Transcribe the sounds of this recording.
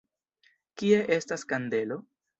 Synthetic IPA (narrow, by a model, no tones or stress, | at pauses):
kie̞ʔe̞staskande̞lo̞